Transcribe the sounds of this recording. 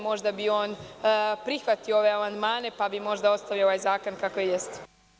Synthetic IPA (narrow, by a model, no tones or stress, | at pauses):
mo̞ʒd̪abio̞ːnpɾixʋat̪ioo̞ʋe̞amand̪maːne̞pabimo̞ʒd̪ao̞t̪st̪aʋjaoʋajzaːko̞nkakojejest̪